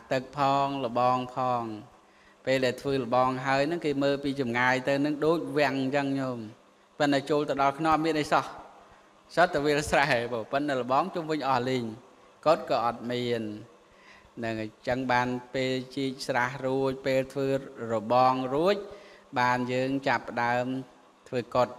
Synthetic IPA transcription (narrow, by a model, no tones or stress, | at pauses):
ʔat̪ɨk̚pʰɑːŋlə̆ɓɑːŋpʰɑːŋ | peːlɗaɛlt̪ʰʋəːlə̆ɓɑːŋɦaəjnɨŋkeːməːlpiːt͡ɕɑmŋaːjt̪ɨwnɨŋɗoːc̚ʋɛ̆əŋt͡ɕəŋɲom | pɨn̚ɗat͡ɕoːlt̪ɨwɗɑlkʰnomiənʔəjsɑh | sət̪ːaʋiəlsraɛɓoːpɨt̪n̚ɗalə̆ɓɑːŋt͡ɕumʋɨɲʔɑhliɲ | kot̪̚kɑːʔɑt̪̚miənː | ɨŋt͡ɕəŋɓaːnpeːlt͡ɕiəc̚srahruəc̚peːlt̪ʰʋəːroɓɑːŋruəc̚ɓaːnjəːŋt͡ɕapːə̆ɗaəm | t̪ʰʋəːkot̪̚